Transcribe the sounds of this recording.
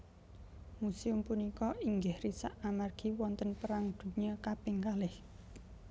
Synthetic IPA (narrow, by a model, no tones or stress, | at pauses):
museʊmpunikɔiŋɡɪhrisaʔamarɡ̥i̤wɔnt̪ənpəɾaŋd̪̥ṳɲəkapɪŋkalɪh